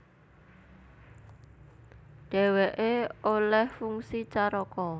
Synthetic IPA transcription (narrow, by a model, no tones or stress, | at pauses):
ɖ̥ɛ̤weʔeolɛhfuŋsit͡ʃaɾɔkɔ